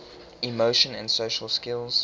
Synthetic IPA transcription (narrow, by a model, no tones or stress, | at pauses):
imoʊʃə̃nə̰̃nsoʃəlˠskɪlˠz̥